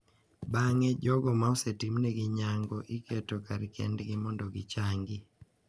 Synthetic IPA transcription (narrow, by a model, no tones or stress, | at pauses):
baŋɛd͡ʒɔɡɔmaosetimneɡɪɲaŋɡɔʔikʰetɔkaɾkɛ̰ndɡɪmɔndɔɡɪ̰t͡ʃaŋɡi